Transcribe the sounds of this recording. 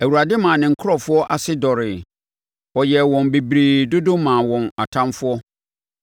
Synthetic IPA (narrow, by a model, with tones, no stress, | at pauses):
æ˨wu˨ɾa˨dɪ˦mã˨nɪ̃˨ŋ̩˨kʰʊ˦ɾɔ˦˨fʊ˦ɔ˦ʔa˨sɪ˦dɔ˨ɾɪ˨ | wɔ˨jɛ˨wɔ̃˨nbe˨bɾiː˨dʊ˦dʊ̃˦mã˨wɔ̃˨na˨tʰã˦nfʊ˦ɔ˦